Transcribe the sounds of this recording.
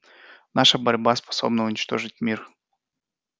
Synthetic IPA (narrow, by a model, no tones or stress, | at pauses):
naʂəbɐɾʲbaspɐ̥so̞̰bnəʊnʲɪt͡ɕt̪o̞ʐɨt̚ʲmʲir